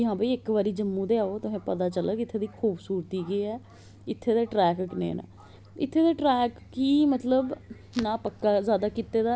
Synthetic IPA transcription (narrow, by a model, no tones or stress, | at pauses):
ɪɦãːbəiːɪkʋaːɾiːd͡ʒəmːũːd̪eːaːoːt̪ʊɦẽːpət̪aːt͡ʃələkɪt̪ʰːeːd̪iːkʰuːbsuːɾt̪iːɡeːɛː | ɪt̪ʰːeːd̪eːʈɾɛːkknḛːnã̰ː | ɪt̪ʰːeːd̪eːʈɾɛːk | kiːmət̪ləb | nãːpəkːaːzjaːd̪aːkit̪eːd̪aː